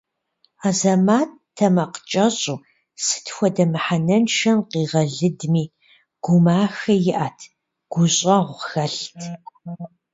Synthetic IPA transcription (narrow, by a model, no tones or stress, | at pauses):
aːzɐmaːt | tʰːɐmɐqə̥t͡ʃʼɐɕʼuː | sɨ̥tʰxʷɔdɐmɨħanɐnʃɐmqiːʁɐɮɨdmiː | ɡ̥ʷʊmaːxɐjɪʔaːtʰ | ɡ̥ʷʊɕʼɐʁʷxɐɬtʰ